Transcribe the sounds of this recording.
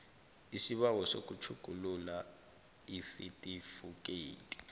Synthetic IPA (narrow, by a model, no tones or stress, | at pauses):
isiɓawɔso̰k̬ʼut͡ʃʰuɡ̥ʱulula | isitʼifuk̬ʼeːtʼi̥